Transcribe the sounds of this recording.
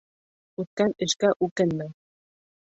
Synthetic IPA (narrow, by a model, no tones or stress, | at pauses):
ut̪̚kanɘ̆ʃkaʔukɘnːɘ